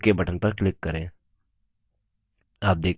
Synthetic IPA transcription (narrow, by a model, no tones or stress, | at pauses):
kebɐʈʰənpɐɾklɪkːɐɾẽː | aːp̚d̪eːk